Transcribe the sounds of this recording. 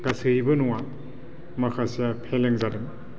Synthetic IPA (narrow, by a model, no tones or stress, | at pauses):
kasɯjbɯnuwa | makʰasijapʰeleŋzadɯm